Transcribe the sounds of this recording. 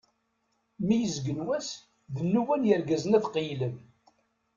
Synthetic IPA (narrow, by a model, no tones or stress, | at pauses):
mijəzɡənwæs | ðənːuwænjəɾɡæzənæðqijləm